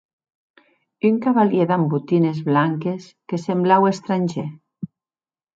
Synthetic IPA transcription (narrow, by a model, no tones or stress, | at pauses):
yŋkaβaljeðambut̪inezβlaŋkeskesemblawest̪ɾanʲʒe